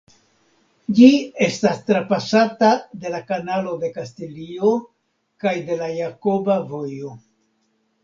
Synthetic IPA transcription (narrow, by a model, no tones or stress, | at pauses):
d͡ʒie̞stastɾapasatade̞lakanalo̞de̞kastilio̞ | kajde̞lajako̞bavo̞jo